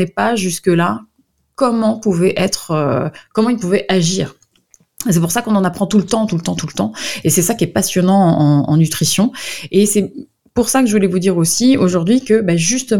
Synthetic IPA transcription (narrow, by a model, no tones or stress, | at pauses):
ɛpaʒyskəla | kɔmɑ̃puvɛʔɛt̪χøkɔmɑ̃ilpuvɛʔaʒiːʁ | esɛpuʁsakɔ̃nɑ̃napχɑ̃t̪ulət̪ɑ̃t̪ult̪ɑ̃t̪ulət̪ɑ̃esɛsakʲiɛpasjɔnɑ̃ɑ̃ɑ̰̃nyt̪χisjɔ̃esɛ | puʁsakəʒəvulɛvud̪iʁosioʒuʁd̪ɥikəbaʒyst̪ə